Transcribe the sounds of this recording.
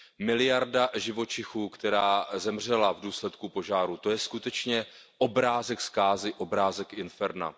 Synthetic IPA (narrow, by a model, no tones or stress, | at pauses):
mɪlɪjaɾdaʒɪvo̞t͡ʃɪxuːkt̪ɛɾaːzɛmr̝ɛlavduːslɛt̪kupo̞ʒaːɾut̪o̞jɛskut̪ɛt͡ʃɲɛ | ʔo̞bɾaːzɛkskaːzɪʔobɾaːzɛkɪnfɛɾna̰